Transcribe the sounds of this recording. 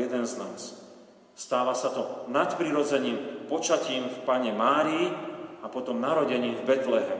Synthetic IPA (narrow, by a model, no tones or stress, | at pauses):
jɛd̪ɛnznaːs | st̪aːʋasat̪ɔnat̪pɾiɾɔd͡zɛɲiːmpɔt͡ʃaciːmfpaɲɛmaːɾiːapɔt̪ɔmnaɾɔɟɛɲiːmvbɛt̪lɛɦɛm